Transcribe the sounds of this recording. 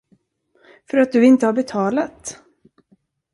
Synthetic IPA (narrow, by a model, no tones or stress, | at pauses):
fœɾat̪̚d̪ɵɪnt̪əhaɾbɛt̪ʰɑːlat̪